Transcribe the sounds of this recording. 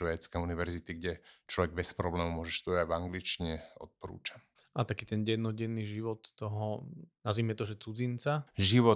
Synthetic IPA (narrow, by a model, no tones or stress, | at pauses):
ʋɛːt͡skɛuniʋɛɾzit̪iɡɟɛt͡ʃlɔʋɛɡ̚bɛt͡spɾɔblɛːmumʊɔʒɛʃt̪ɔavaŋɡlit͡ʃiɲɛɔ̰t̪̚pɔɾṵːt͡ʃa | ʔat̪akiːt̪ɛnɟɛd̪nɔɟɛnːiʒiʋɔt̪ːɔɦɔnazʋimɛt̪ɔʒɛt͡sud͡zint͡saʒiʋɔ